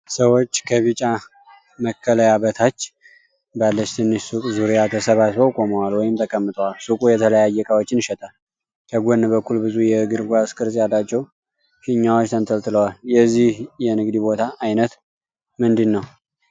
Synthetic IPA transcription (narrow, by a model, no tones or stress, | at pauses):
səwo̞t͡ʃːkʰəβɨt͡ʃʼa | məkʰːələjabət̪ʰat͡ʃː | balːət͡ʃt̪ʰɨnːɨʃsukʼzuɾijat̪ʰəsəβat̪bəwkʼoməwalwɔjɪmt̪ʰəkʼəmːɨt̪ʼəwalsukʼujɛt̪ʰələjajːɛkʼawot͡ʃːɪnʃɛt̪ʼal | kʰəɡʷonːbəkːulbɨzujɛɡɨɾɡʷaskʰʼɨɾsʼjalːat͡ʃːɛw | ʃiɲːawo̞t͡ʃːt̪ʰənt̪ʰəlt̪ʰɨləwaljɛzːihjɛnɨɡd̪ibo̞t̪ʰaʔːjnət̪ | mɨnd̪ɨnːəw